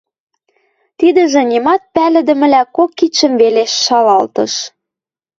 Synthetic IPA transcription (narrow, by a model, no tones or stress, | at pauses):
t̪id̪ə̆ʒĕnʲimɑt̪̚pælɘ̆d̪ə̆mɘ̆lækokːit͡ɕə̆mveleʃːɑlɑlt̪ɤ̰̆ʃ